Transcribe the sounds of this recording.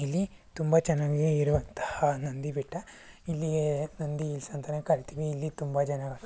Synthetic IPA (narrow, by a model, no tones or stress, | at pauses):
ilːi | t̪umbɐt͡ʃɛnːaːɡeiɾuʋɐnt̪ɐ̥hɐnɐnd̪ibiʈːɐ | ilːienɐnd̪iːlsɐnt̪ɐnekɐɾit̪iʋiːlːit̪umbɐd͡ʒɐnːaːɡɐ